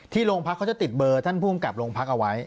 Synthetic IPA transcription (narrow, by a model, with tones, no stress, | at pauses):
t̪ʰiː˥˩loː˧ŋpʰa˦˥kʰːa˦˥t͡ɕa˨˩t̪i˨˩t̪̚bɤː˧t̪ʰa˥˩npʰuː˥˩˨mka˨˩p̚loː˧ŋpʰa˦˥k̚ʔa˧wa˦˥j